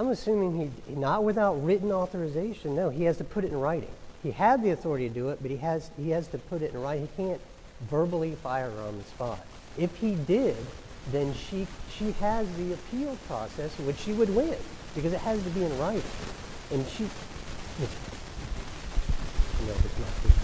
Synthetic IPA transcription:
ãɪ̃mɨsʉ̃mɪ̃ŋinət̚wɨθaʊt̚ɹɪʔn̩ɔθə˞ɨzeɪʃɨ̃nːoʊiɨz̥tʰɨpʰʊɾɨɾn̩ɹaɪɾɪ̰̃ŋiɨd̪̚ðiɨθɔɹɨɾiɾɨdɨɪt̚b̥ʌt̚hiɨz̥hiɨz̥tʰɨpʰʊɾɨɾn̩ɹaɪɾɪ̃ŋhikʰæ̃nt | vɜ˞bl̩ˠifaɪə˞ə˞ə̰̃nðɨspɑ̰ɾ̚ | ɪfhidɪd̪̚ | ðɨ̃nʃiʃiɨzðiɨpʰilˠpʰɹ̥ɔ̰sɛswɨt͡ʃʃiwɨd̚wɪ̃n | b̥ɨkʌzɨt̚hɨztɨbiɨ̃nɹaɪɾɪ̰̃ŋ | ɨ̃nʃi | wɨts | noʊɨtsnɨ̰t̚ḭ

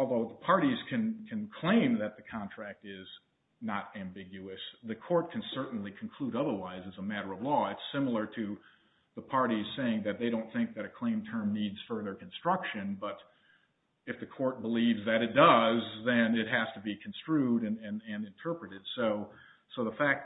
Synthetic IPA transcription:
ɔlˠðoʊðəpʰɑɹɾiz̥kʰɨ̃nkʰɨ̃nkʰl̥ẽɪ̃mðɨt̪̚ðɨkʰɑ̃ntʰɹ̥æk̚tɪz | nəɾæ̃mbɪɡjʉɨsðɨkʰɔɹt̚kʰɨ̃n̩sɜ˞ʔn̩likʰn̩kʰl̥uɾʌðə˞waɪzɨzəmæɾə˞ʌvlɔɪtsɪ̃ml̩ˠə˞ɾɨ | ðəpʰɑɹɾiz̥seɪɪ̃ŋðɨt̪̚ðeɪɾõʊ̃nθɪ̃ŋk̚ðɨɾɨkʰl̥ẽɪ̃mtʰɜ̃˞mnidz̥fɜ˞ðə˞kʰn̩stɹ̥ʌkʃɨ̃nbʌɾ | ɨfðɨkʰɔɹt̚b̥əlivzðɨɾɨt̚d̥ʌzðɨ̃nɪt̚ɦæstəbikʰn̩stɹ̥ʉɾɨ̃nɨ̃nɨ̃nɨ̃ntʰɜ˞pɹɨɾɨd̥soʊ | soʊðəfæk̚

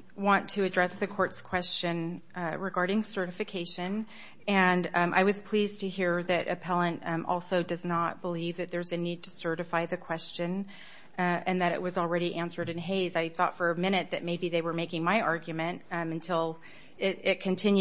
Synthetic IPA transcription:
wɑ̃ntʰɨɨdɹɛsðɨkʰɔɹtskʰw̥ɛst͡ʃɨ̃nɹɨɡɑɹɾɪ̃ŋsɜ˞ɾɨfɨkʰeɪʃɨ̃n | ɨ̃nʔa̰ɪwʌz̥pʰl̥iztʰɨhiɹðɨɾʔɨ̰pʰɛlˠə̃ntʔɔ̰lˠsoʊdʌznət̚b̥əlivðɨt̪̚ðə˞zɨnid̚tʰɨsɜ˞ɾɨfaɪðɨkʰw̥ɛst͡ʃɨ̃n | ɨ̃nðɨɾɨ̰ʔ̚wʌzl̩ˠɹɛɾiʔæ̃nsə˞ɾɨ̃nɦeɪzaɪθɔ̰tfə˞ɨmɪ̃ñɨt̪̚ðɨt̚meɪbiðeɪwə˞meɪkɪ̃ŋmaɪʔɑɹɡjmɨ̃ntɨ̃ntʰɪlˠ | ɪɾɪt̚kʰɨ̃ntʰɪ̃nj

